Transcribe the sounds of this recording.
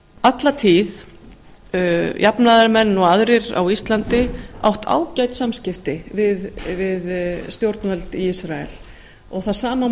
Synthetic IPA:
at̪lat̪ʰiːð | jʔapnaðaɾmɛnːɔɣaðɾɪɾa̰wist̪lant̪ɪa̰wht̪ʰa̰ːwcajt̪samscɪft̪ɪvɪðvɪðst̪jowɾt̪nvɛlt̪iisɾaɛ̰l | ɔɣθaðsaːma

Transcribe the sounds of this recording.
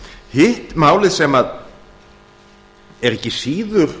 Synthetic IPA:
hɪht̪maːwlɪðsɛmað | ɛɾɛhcːɪsiːðʏɾ̥

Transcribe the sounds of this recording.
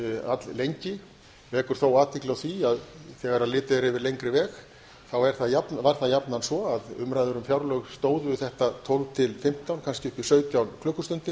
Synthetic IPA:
a̰t̪llejɲcɪ | vɛːkʏɾ̥θowaːt̪iklaθviaðθɛɣaɾaðlɪːt̪ɪɾɪvɪɾlejŋkɾɪvɛːx | θawɛɾ̥θaðjapnvaɾ̥θaðjapnansvɔaðʏ̰mɾajðʏɾʏmfjawɾlœɣst̪oːwðvʏθɛht̪at̪ʰowlvt̪ʰɪlfɪm̥t̪awnkʰanscɪʏpɪ̥sœːɥt̪jawnkʰlʏhkːʏst̪ʏnt̪ɪ

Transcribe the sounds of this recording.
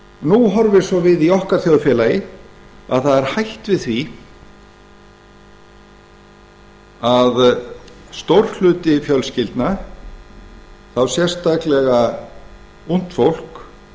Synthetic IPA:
nuɦɔɾvɪɾ̥sɔvɪðiɔhkaɾ̥θjowðfjɛːlajɪ | a̰ðθaðɛɾ̥hajht̪vɪðθvi | að | st̪owɾ̥lʏːt̪ɪfjœlscɪlt̪na | θawsjɛr̥st̪aklɛɣa | un̥t̪fowl̥k

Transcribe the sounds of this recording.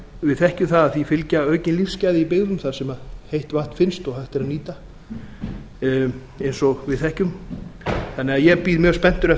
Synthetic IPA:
vɪðθɛhcʏθaðaðθifɪlcaœːɥcɪnlifscaːjðɪipɪɣðʏmθasɛmaðhejht̪vaht̪fɪnst̪ɔɣhajht̪ɪɾaðniːt̪a | ejnsɔɣvɪðθɛhcʏm | θanːɪaðjɛpiːðmjœːspɛn̥t̪ʏɾɛ

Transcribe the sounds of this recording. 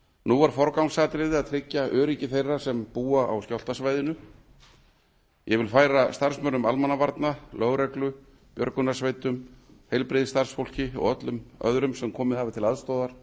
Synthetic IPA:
nuaɾ̥fɔɾkawŋsaːt̪ɾɪðɪaðt̪ʰɾɪcːaʔœːɾicɪθejrːasɛmpuːaa̰wscawl̥t̪asvajðɪnʏ | jɛvɪlfaːjɾast̪aɾsmœɾnʏmalmanavaɾt̪nalœːɣɾɛklʏ | pjœ̰ɾkʏnḁsvejt̪ʏmhejlpɾɪðst̪aɾ̥sfowl̥cɪɔ̰ɣœt̪lʏmœ̰ðɾʏmsɛmkʰɔːmɪðhavɪt̪ʰɪlaðst̪owðaɾ̥

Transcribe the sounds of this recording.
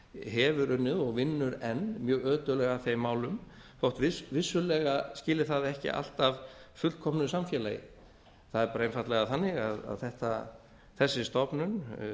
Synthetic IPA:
ɦɛːvʏɾʏnːɪðɔɣvɪnːʏɾɛnmjœːɣœːt̪ʏlɛɣaθejmːaːwlʏm | fowht̪vɪsvɪsːʏlɛɣascɪːlɪθaðɛhcɪ̰ʔa̰l̥t̪avfʏlkʰɔmnʏsamfjɛːla̰jɪ̰ | θaðɛɾpːɾejmfat̪lɛɣaðθanːɪɣaða̰ðθɛht̪a | θɛsːɪst̪ɔpnʏn

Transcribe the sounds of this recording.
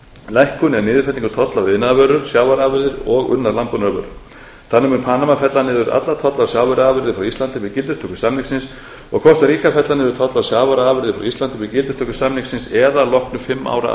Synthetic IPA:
lajhkʏnɛnɪːðɪfɛt̪iŋkʏt̪ʰɔt̪lavɪnːavœɾʏɾ̥sjaːwvaɾaːvɪɾðɪɾɔɣʏ̰nːaɾlampʏnœːvʏ̰ɾ̥ | θanːɪmʏmpʰanamafɛt̪lanɪðʏɾa̰t̪lat̪ʰɔt̪lawsjaːwvɛɾaːvɪɾðɪfɾawist̪ant̪ɪvɪðcɪlt̪ʏst̪ʰɔkʏ̥samniŋksɪns | ɔɣkʰvɔst̪aɾiːkafɛt̪lanɪðʏɾt̪ʰɔt̪lasjaːwvaɾaːvɪɾðɪfɾa̰wist̪ant̪ɪvɪðcɪlt̪ʏst̪ʰɔkʏ̥samniksɪnsɛðalɔhknʏfɪmːa̰ːwɾa̰

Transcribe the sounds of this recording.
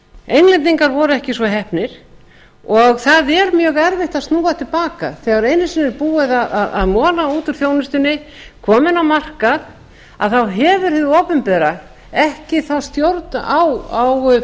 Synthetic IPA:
ejnlɛnt̪niŋkaɾvɔɾʏɛhcɪsvɔɦɛhpnɪɾ̥ | ɔɣθaðɛɾmjœːɣɛɾvɪht̪aðst̪nuːat̪ʰɪlpaːka̰θɛːɣaɾejnːɪsɪnːɪɾpuːɪðaðaða̰ðmɔːlauːt̪ʏɾ̥θjoːwnʏst̪ʏnːɪ | kʰɔːmɪnawmar̥kað | a̰ðθawɦɛvʏɾ̥hɪðowpʏmpɛːɾa | ɛhcɪθawst̪jowɾt̪nawaw

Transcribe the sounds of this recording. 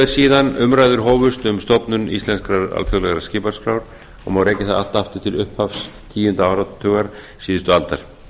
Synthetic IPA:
ðɪɾ̥siːðanʏmɾaːjðʏɾɦɔːvʏst̪ʏmst̪ɔpnʏnḭst̪ɛnskɾaɾa̰lfjɔɣlɛɣaɾascɪːpaɾ̥skɾawɾ̥ | ɔ̰ɣmaːwɾeːjcɪθaða̰l̥t̪aft̪ɪ̥t̪ʰɪlʏhphafs | t̪ʰiːjʏnt̪aaːwɾat̪ʰːœːɣaɾ̥ | siːðɪst̪ʏalt̪aɾ̥

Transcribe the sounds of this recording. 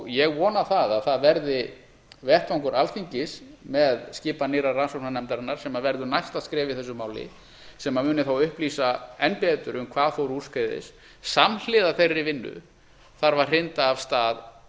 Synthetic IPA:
jɛɣvɔːnaθaðaðθaðvɛɾðɪ | vɛht̪awŋkʏɾʔalθiɲcɪsmɛðscɪːpanɪɾaransownanɛmt̪aɾanːaɾ̥sɛmavɛɾðʏɾnajst̪aðskɾɛːvɪθɛsːʏmaːwlɪ̰ | sɛmamʏːnɪθawʏhpliːsaɛnpɛːt̪ʏɾʏmkʰvaːðθowɾur̥skejðɪ̰s | saml̥ɪːðaθejrːɪvɪnːʏ̰ | θaɾvar̥rɪnt̪aːvst̪aːð

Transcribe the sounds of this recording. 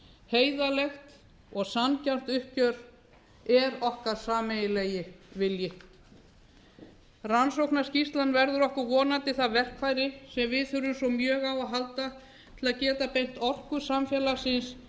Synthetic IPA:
heːjðalɛxt̪ | ɔɣsancanm̥t̪ʏhcœɾ̥ | ɛɾɔhkaðsaːmejɪlɛjɪvɪljɪ | ransowknascist̪lanːvɛɾðʏɾɔhkʏɾvɔːnant̪ɪθaðvɛr̥kʰvajɾɪsɛmvɪðθʏɾʏmsɔmjœːɣawaɦalt̪a | t̪ʰɪlaðcɛːt̪apejŋn̥t̪ɔr̥kʏ̥samfjɛlasɪns

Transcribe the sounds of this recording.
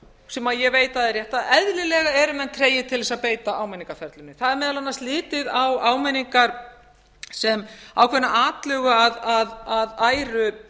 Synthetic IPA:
sɛmaðjɛveːjt̪aðɛrjɛht̪aðɛðlɪlɛɣaɛɾʏmɛnːk̪ʰɾeːjɪt̪ʰɪlvɛsaðpeːjt̪aaːwmɛniŋkafɛɾt̪lʏnːɪθaðɛɾmɛːðalanːast̪lɪːt̪ɪðawaːwmɛniŋkaɾ̥ | sɛma̰wkʰvɛnːaaːt̪lœːɣʏaðaðaðaːjɾʏ

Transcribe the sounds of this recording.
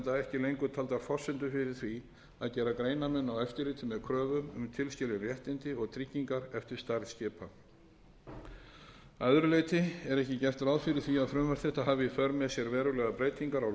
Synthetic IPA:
t̪aɛhcɪlejŋkʏt̪ʰaːlt̪afɔr̥sɪnt̪ʏfɪɾɪɾ̥θvi | aðcɛːɾakɾeːjnamɛnːawɛft̪ɪɾleːt̪ɪmɛðkʰɾœːvʏmʏmt̪ʰɪlscɪlɪnrjɛht̪ɪnt̪ɪɔɣt̪ʰɾicːiŋkaɾɛft̪ɪ̥st̪aɾscɪːpa | aðɾʏleːjt̪ɪɛɾɛhcɪcɛr̥t̪ɾaːwðfɪɾɪɾ̥θviaðfɾʏːmaɾ̥θɛht̪aɦaːvɪifœɾmɛsjɛɾvɛːɾʏlɛɣapɾeːjt̪iŋkaɾaw

